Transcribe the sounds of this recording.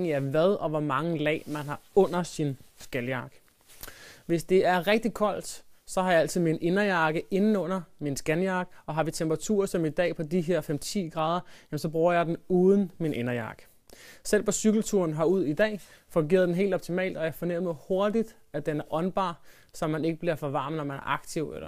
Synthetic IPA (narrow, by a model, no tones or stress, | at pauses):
ŋiæɐʋæð̞ˠɒ̽ʋɒmɑ̈ŋəlɛ̰ːmænɦɑ̈ɔ̽n̰ɐsinsɡ̥ænjɑ̈ɡ̥ | ʋe̝sd̥e̝æɐʁɛɡ̥̚d̥ikʰɒ̽l̰d̥sɒ̽hɑ̈jɑ̈æl̰t͡sʰið̩ˠminʔe̝nɐjɑ̈ɡ̥əʔe̝nn̩ɔ̽n̰ɐminsɡ̥ænjɑ̈ːɡ̥ɒ̽ɦɑ̈ʋit͡sʰempʁɑ̈t͡sʰṵːɐsɒ̽mid̥ɛ̰ːpʰɒ̽d̥iɦeɐ̰femt͡sʰḭːɡ̥ʁɑ̈ːð̞ˠɐjæmn̩sɒ̽b̥ʁuːɐjɑ̈ɪd̥n̩uːð̞ˠən̩minʔe̝nɐjɑ̰̈ːɡ̥ə | sel̰pʰɒ̽syɡ̥l̩t͡sʰuɐnɦɑ̈uð̞̰ˠid̥ɛ̰ː | fɔ̽ŋɡ̥e̝̰ːɐðˠdenɦe̝̰ːld̥ɒb̥t͡sʰimɛ̰ːld̥ɒjahɑfɒ̽neʊ̰mð̩ˠho̝ɐd̥id̥ | æd̥enæɐʔɒ̽nb̥ɑ̰̈ː | sɒ̽mːæne̝ɡ̥əb̥liɐfɒ̽ʋɑ̈ːmnɒmænæɐʔɑ̈ɡ̥̚t͡sʰiʊḛlɐ